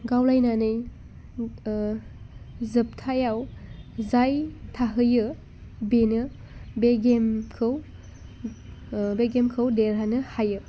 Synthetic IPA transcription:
ɡawlajnanɯj | zɯp̚tʰajawzajtʰaɦɯjɯ | benɯ | beɡemkʰɯw | beɡemkʰɯwdeɾɦanɯhajɯ

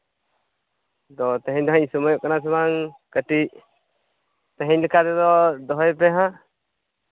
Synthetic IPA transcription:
d̪ɔt̪ɛ̃ɦɛɲd̪ɔɦaɲsɔmɔjɔʔkanas̬ɛbaŋkəʈiʔ | t̪ɛɦɛɲləkad̪ɛd̪ɔd̪ɔɦɔjpɛɦã

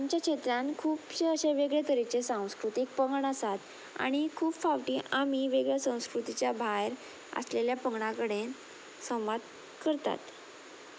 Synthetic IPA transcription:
amt͡ɕjakɕet̪ɾãnkʰuːpɕeəɕeʋeɡɭek̪əɾit͡sesãw̃skɾut̪ik̚pəŋɡɳəsat̪ | a̰ɽ̃ikʰuːpfaʋʈiːʔamiʋeɡɭjasə̃w̃skɾut̪it͡ɕjabʱajɾ | ə̰sleljapəŋɡɳakəɽe | sə̃w̃ʋad̪ | kəɾt̪a̰t̪

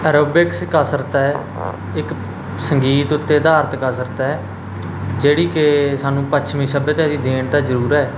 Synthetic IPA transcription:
əɾobɪkskəsəɾt̪ɛː | ɪk | səŋɡiːt̪ʊt̪ːeːd̪aːɾt̪ʰkəsəɾt̪ɛː | d͡ʒeːɽiːkesaːnũːpət͡ʃʰmĩːsəbət̪ɛ̃ːd̪iːd̪eːɳt̪aːzəɾuːɾɛː

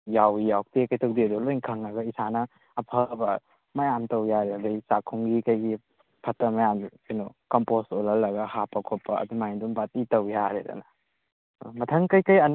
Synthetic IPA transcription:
jawijawk̚tekɐjtʰowdidulojŋkʰɐŋɐɡɐisanɐː | pʰɐbɐ | mɐjamtɐwjaɾeɐdɐjsakʰuŋɡikɐjɡi | pʰɐtɐmɐjamkɐjnɔkɔmpostolɐlːɐɡɐhapɐkʰopːɐɐ̰dumajdumbatitɐwjaɾḛdɐ̰nɐ | mɐtʰɐŋkɐjkɐjɐn

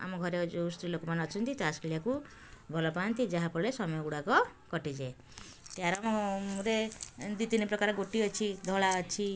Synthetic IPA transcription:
a̰mɔɡʱɔɾed͡ʒoust̪ɾilokɔmanɔt͡ʃʰɔnt̪it̪askilijaku | bʱɔlɔpant̪id͡ʒaɦapɔlesɔmɔjɔɡuɽakɔkɔʈid͡ʒe | t̪jaɾamɔɾed̪it̪inipɾɔkaɾɔɡoʈiɔt͡ʃʰid̪ʱɔɭaɔt͡ʃʰi

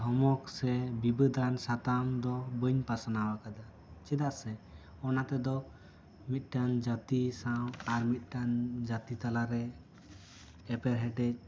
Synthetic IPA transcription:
ɦɔmɔksɛbibəd̪ʱansat̪amd̪ɔbəɲpasanawakad̪a | t͡ʃɛd̪aʔsɛ | ɔnat̪ɛd̪ɔ | mit̪̚ˀʈand͡ʒat̪isawaɾmit̪̚ˀʈand͡ʒat̪it̪alaɾɛ | ɛpɛɾɦɛɖɛt͡ʃ̚

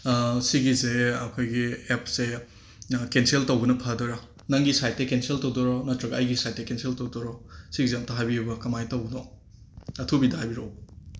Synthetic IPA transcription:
siɡizeɐkʰojɡiep̚se | kenseltɐwbɐnɐpʰadɔɾa | nɐŋɡisajt̚ːekenseltɐwdɔɾɔnɐtɾɐɡɐɐjɡisajt̚ːekenseltowdɔɾɔsiɡizeɐmtɐɦajbijubɐkɐmajtɐwbɐno | ɐtʰubidɐɦajbiɾow

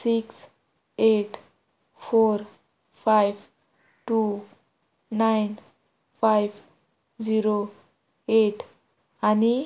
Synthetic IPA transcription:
siks | eʈ | pʰoɾ | pʰajb | ʈu | najn | pʰajb | d͡ziɾo | eʈ | ani

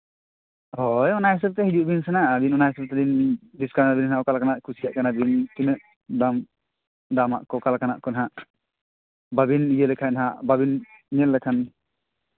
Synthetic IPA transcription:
ɦɔjɔnajɛs̬əb̚t̪ɛhid͡ʒuʔbinsɛnaʔbinɔnajɛsɔb̚t̪ɛd̪indiskaɾnabinɦaɔkalakanaʔkʰusijaʔkanabint̪inəʔ | d̪am | d̪ama̰ʔkɔkalakanaʔkɔnaɦaʔ | babinijəlɛkʰanaɦaʔbabinːɛlːɛkʰan

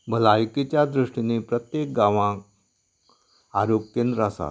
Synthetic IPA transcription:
bʱəlajkit͡ɕjad̪ɾuʂʈinepɾət̪jek̚ɡaʋã | aɾok̚kːend̪ɾasa̰

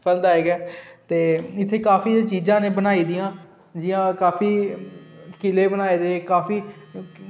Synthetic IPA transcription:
pʰəld̪aːɦeːɡɛːt̪eːɪt̪ʰːeːkaːpʰiːt͡ʃiːzãːnẽːbənaːiːd̪ɪjãː | d͡ʒɪjãːkaːfʰiː | kɪleːbənaːeːd̪eːkaːpʰiː

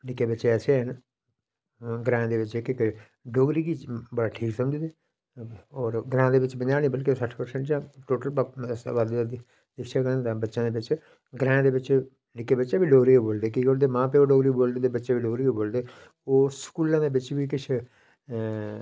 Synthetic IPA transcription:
nɪkːeːbətːʃeːɛːseːɦən | ɡɾãːd̪eːʋɪt͡ʃekeke | ɖoːɡɾiːɡiːbəɽaːʈʰiːksəmd͡ʒd̪eː | ɔːɾɡɾãːd̪eːʋɪt͡ʃbəɲaːnĩːbəlkiosəʈʰpəɾsə̃ɳʈd͡ʒãːʈoːʈəlpsʋad̪d̪i | d̪ɪkʃakə̃t̪ãːbətːʃãːd̪eːʋɪt͡ʃ | ɡɾɛ̃ːd̪eːʋɪt͡ʃ | nɪkeːbətːʃãːbiːɖoːɾiːkeboːld̪eːkiːkoːɽd̪eːmãːpeːoːɖoːɡɾiːboːld̪eːd̪eːbətːʃeːʋiːɖoːɾiːeːboːld̪eː | oːskuːlãːd̪eːbɪt͡ʃʋiːk̬ɪt͡ʃʰ

